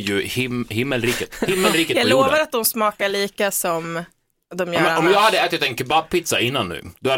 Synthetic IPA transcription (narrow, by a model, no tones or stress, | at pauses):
jɵhhɪmːəlɾiːkət̪hɪmːəlɾiːkətjaːɡloːvaɾat̪̚d̪ɔmsmɑːkaɭiːkasɔm | d̪ɔmjœɛɔmjɑːɡhad̪ːəɛːt̪ɪt̪ɛnkʰɵbab̚pːɪt̪saɪnːanːʉ̰ːd̪ɔha